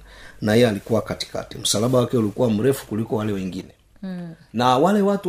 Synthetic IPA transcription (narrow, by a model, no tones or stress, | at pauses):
nahɛjɛalikuwakati̥ka̰tḭm̩salaɓawakɛulikuwam̩ɾɛfu̥kulikɔwalɛwɛŋɡinɛ | nawalɛwatu